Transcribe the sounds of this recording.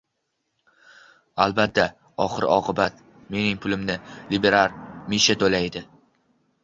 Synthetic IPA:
albat̪ʰːa | ɒχɨɾɪ̰ʔɒqʰɨbat̪̚ | me̞nɪŋpʰʊlɪmnɪlibe̞ɾaɾmiʃat̪ʰolajd̪ɪ

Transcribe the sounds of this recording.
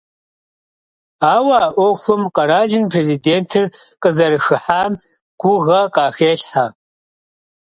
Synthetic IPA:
aːwaːʔʷɔxʷʊmqɐɾaːʒɪnpʰreːziːdeːntʰɨr | qʼəzɐɾɨxɨħaːm | ɡ̥ʷʊɣɐqɑːxeːɬħa

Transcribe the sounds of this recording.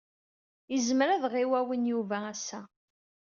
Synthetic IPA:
jəzmɾæðʁiwæwənjuvæːsːæ

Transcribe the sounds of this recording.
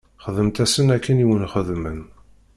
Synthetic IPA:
χəðəmt̪æsənækːəniwənχəðmən

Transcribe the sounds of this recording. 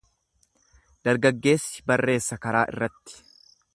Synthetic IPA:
d̪̥ɐɾɡɐɡːe̞ːsːɪ̥bɐrːe̞ːsːɐkɐɾaːʔɪ̰rːɐt̪ːɪ̥

